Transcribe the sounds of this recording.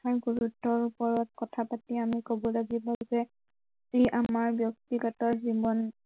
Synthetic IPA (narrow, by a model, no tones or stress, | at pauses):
aɹɡuɹutːɔɹupɔɹɔt̚kɔtʰapatiamikobɔlaɡibɔzɛ | iʔamaɹbjɔk̚tiɡatɔɹzibɔn